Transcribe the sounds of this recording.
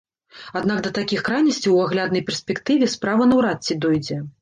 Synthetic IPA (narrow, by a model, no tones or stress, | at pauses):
ad̪nakd̪ɐt̪akʲixkɾajnʲɐsʲt͡sʲiwaɣlʲad̪nɐjpʲɛrsʲpʲɛkt̪ɨvʲɛspɾavɐnɐwɾat͡sʲːid̪ɔjd͡zʲɛ